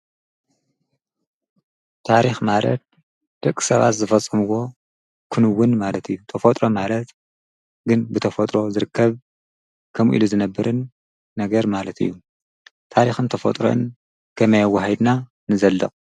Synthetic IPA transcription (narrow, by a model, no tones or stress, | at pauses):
t̪ʰaɾixmalɐ̰t̪̚ | d̪̥ɐkʼːi̥sɐβa̰t̪zɨfɐt͡sʼːɐmuwo̞ | kʰɨnɨwːʊnmalɐt̪ʰɨjːut̪ʰɐfot̪ʼɾo̞malɐt̪ | ɡɨnbɨt̪ʰɐfot̪ʼɾo̞zɨɾɨkʰːɐβ | kʰɐmʔḭluzɨnɐbːɨɾɨnː | ɐɡɐɾmalɐt̪ʰɨ̰jːu | t̪ʰaɾixɨnt̪ʰɐfɐ̰t̪ʼɾo̰ʔɨn | kʰɐmɐjawɐɦɐjd̪na | nɨzɐlːɐqʼ